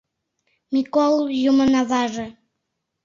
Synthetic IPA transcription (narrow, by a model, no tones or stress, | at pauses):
mikolˠjumə̆nɑβɑʒĕ